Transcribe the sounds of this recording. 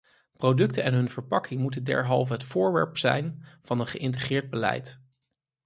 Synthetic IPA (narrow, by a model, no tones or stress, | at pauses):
prodɵktəɛnɦɵnv̥əɹpɑkɪŋmutəndɛ̰ɹɦɑlˠvəɦətfʊːɹʋɛ̰ɹpsɛ̰jnv̥ɑnənχəʔɪnt̬əχɪːɹd̚bəlɛ̰jt